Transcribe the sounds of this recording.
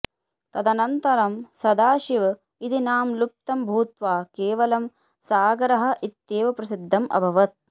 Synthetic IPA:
t̪ɐd̪ɐnɐnt̪ɐɾɐmsɐd̪aːʃiʋ | id̪inaːmlup̚t̪ɐmbʱuːt̪ʋaːkeːʋɐlɐm | saːɡɐɾɐɦɐ̆ʔit̪jeːʋɐpɾɐsid̪ʱːɐmʔɐ̰bʱɐʋɐt̪̚

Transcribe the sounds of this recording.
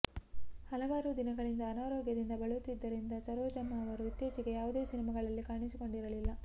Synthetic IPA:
hɐlɐʋaːɾud̪inɐɡɐɭind̪ɐːnaːɾoːɡjɐd̪ind̪ɐbɐɭut̪ːid̪ːɐɾind̪ɐsɐɾoːd͡ʒɐmːɐːʋɐɾuit̪jeːt͡ʃiɡe̞jaːʋud̪e̞ːsinimɐɡɐɭɐlːikaːɳisiko̞ɳɖiɾɐlilːɐ

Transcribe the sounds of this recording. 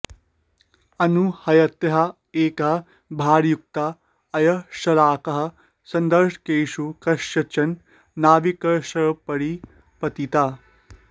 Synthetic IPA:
ɐnuhɐjɐt̪jɐɦɐ | eːkɐɦɐ | bʱaːɾjuk̚t̪a | ɐjɐʂɐlaːkɐɦɐ̆ | sɐnd̪ɐɾʂkeːʃukɐʂjɐt͡ʃɐnː | aːʋikɐʃɐpɐɽi | pɐt̪it̪a

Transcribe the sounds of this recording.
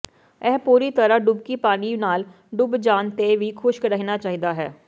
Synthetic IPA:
ɛːpuːɾiːt̪əɾãːɖʊbkiːpaːniːnaːl | ɖʊbd͡ʒaːnt̪eːʋiːkʰʊʃkɾəɦinaːt͡ʃaːɦiːd̪aːɦɛ̰ː

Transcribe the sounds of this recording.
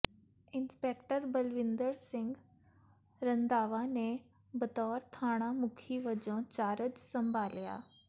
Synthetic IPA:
ɪnspɛːkʈəɾbəlʋɪ̃nd̪əɾsɪ̃ŋɡ | ɾənd̪aːʋãːneː | bət̪ɔːɾt̪ʰaːɽ̃ãːmʊkʰiːʋəd͡ʒõːt͡ʃaːɾəd͡ʒsəmbʱaːlja̰ː

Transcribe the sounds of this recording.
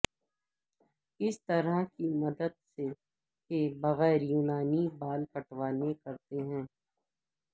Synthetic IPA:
ɪst̪ɐɾakimɐd̪əd̪̚se | kebɐɣɛːɾjuːnaːnibaːlkɐʈʋaːnekɐɾt̪eɦɛ̃ː

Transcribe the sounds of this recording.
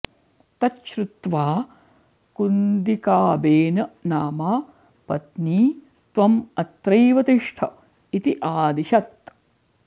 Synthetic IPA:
t̪ɐtʃɾut̪ʋaː | kund̪ikaːbeːnɐnaːmaː | pɐt̪niː | t̪ʋɐmɐt̪ɾɐjʋɐt̪iʂʈʰɐ̰ | it̪iʔaːd̪iʃɐt̪

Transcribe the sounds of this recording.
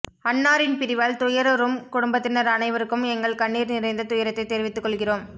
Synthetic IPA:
ɐnːaːɾɪnpɪɾɪʋaːlt̪ʊjɐɾɔɾɯmkʊɽʊmbɐt̪ːɪnɐɾɐnɐɪʋɐɾɯkːɯmɛŋɡɐɭkɐɳːiːɾnɪɾɐɪnd̪ɐt̪ʊjɐɾɐt̪ːɐɪt̪ːeːɾʋɪt̪ːɯkːɔɭɣɪroːm

